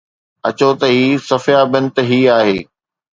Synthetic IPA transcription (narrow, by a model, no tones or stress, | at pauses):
ɐ̰t͡ɕot̪ɐɦiːsɐfjaːbɪnɪ̆t̪ɦiːaːɦeː